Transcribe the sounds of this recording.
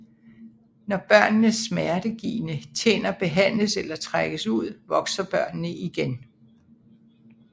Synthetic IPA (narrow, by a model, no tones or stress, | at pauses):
nɒb̥ɶɐ̰nːəsːmæɐɾ̥əɡ̥ḭːnət͡sʰḛːnɐb̥e̝ɦæn̰ləselɐt͡sʰʁaɡ̥əsuð̰ˠʋɒ̽ɡ̥sɐb̥ɶɐ̰nnəʔiɡ̥en